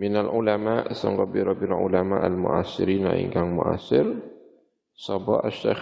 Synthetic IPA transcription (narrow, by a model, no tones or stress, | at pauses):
mɪnalʕʊlamaːʔsaŋɡɑbiɾɑbɪlʕʊ̰lamaːʔalmʊ̰ʔasɪɾiːna̰ʔḭŋɡaŋmʊ̰ʔa̰sɪɾ | sɑba̰ʔaʃːa̰